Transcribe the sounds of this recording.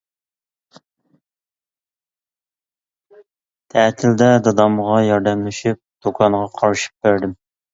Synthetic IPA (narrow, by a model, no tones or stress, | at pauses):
t̪ʰɛːt̪ʰɪld̪ɛd̪ɑd̪ɑmʁɑjɑɾd̪ɛmlɪʃip̚d̪̥okʰɑnʁɑqʰɑɾʃi̥p̚bæɾd̪ɪm